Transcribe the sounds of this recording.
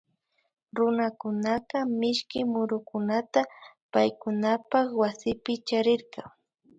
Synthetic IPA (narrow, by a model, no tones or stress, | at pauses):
ɾʊnakʊnaqamɪʃkɪmʊɾʊkʊnat̪a | pajkʊnapakwasɪpɪt͡ʃaɾɪɾqɑ